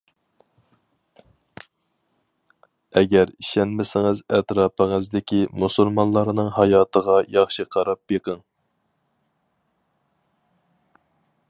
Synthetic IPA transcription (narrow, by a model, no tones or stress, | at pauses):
ɛɡʲɛɾiʃɛnmɪsɪŋɨzɛt̪ɾɑːpʰəŋəzd̪ɪkʲimusulmɑnlˠɑɾnɨŋhɑjɑːt̪ʰəʁɑjɑχʃiqʰɑɾɑp̚jeqʰəŋ